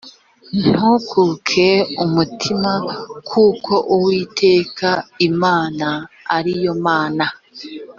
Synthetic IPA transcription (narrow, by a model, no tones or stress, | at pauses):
n̥hukʰukʰe̞umutʰimakʰuːkʰo̞ʔuwiːtʰe̞ːkaimaːnaː | ɾijo̞maːna